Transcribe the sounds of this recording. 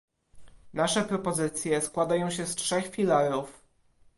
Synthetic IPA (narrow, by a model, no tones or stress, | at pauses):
naʂɛpɾɔpɔzɘt̪sʲjɛskwad̪ajɔ̃w̃ɕɛstʂɛxfʲilaɾuf